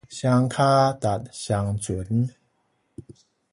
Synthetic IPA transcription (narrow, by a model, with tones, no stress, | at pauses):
ɕa˧ŋkʰaː˥˩t̪a˨˩t̪̚ɕa˧ŋt͡ɕu˨˩˦ən